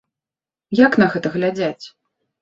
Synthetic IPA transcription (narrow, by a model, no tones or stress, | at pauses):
jakn̪ɐɣɛt̪ɐɣlʲad͡zʲat͡sʲ